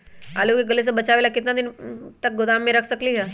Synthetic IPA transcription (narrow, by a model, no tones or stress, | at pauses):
alukeɡəles̬əbət͡ʃaʋeːlakɪt̪nad̪int̪ək̚ɡʊd̪amːẽɾəkʰsəkliɦə